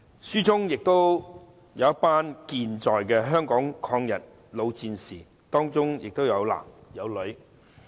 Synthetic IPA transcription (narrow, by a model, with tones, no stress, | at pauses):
syː˥t͡sʊ˥ŋjɪ˨k̚t̪o˥w | jɐ˨˧wjɐ˥t̚paː˥nkiː˧nt͡sɔː˨jkɛː˧ɦœː˥ŋkɔː˨˥ŋkʰɔː˧ŋjɐ̰˨˩t̚ | lo˨˧wt͡siː˧nsiː˨˩ | t̪ɔː˥ŋt͡sʊ˥ŋjɪ˨k̚t̪o˥wjɐ˨˧wla̰ː˨˩mjɐ˨˧wlɵ˨˧ɥ